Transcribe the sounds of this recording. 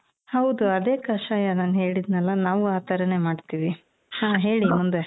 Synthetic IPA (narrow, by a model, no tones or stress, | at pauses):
hɐwd̪uɐd̪e̞ːkɐʃaːjɐnaːnɦe̞ːɭid̪nɛlːɐnaːʋuaːt̪ɐɾɐne̞maːɖt̪iːʋi | hãːɦe̞ːɭimund̪e